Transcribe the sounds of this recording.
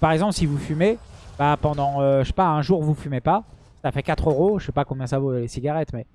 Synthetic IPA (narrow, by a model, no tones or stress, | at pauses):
paʁɛɡzɑ̃plsivufymebapɑ̃d̪ɑ̃øʃʃe̥paɛ̃ʒuʁvufymepa | safɛkat̪χøʁoʒə̥sɛpakɔ̃bjɛ̃savolesiɡʲaʁɛt̪mɛ